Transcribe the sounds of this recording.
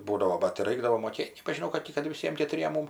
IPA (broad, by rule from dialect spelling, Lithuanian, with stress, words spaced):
ˈbuːdɐʋoː bɐt tʲɪ ˈrɐɪɡdɐʋoː moːˈkʲeːtʲ nʲɛbɐʒʲɪˈnɐʊ kɐt ˈtʲɪ kɐt ʋʲɪˈsʲiɛm kʲɛtʊˈrʲiɛm ˈmʊm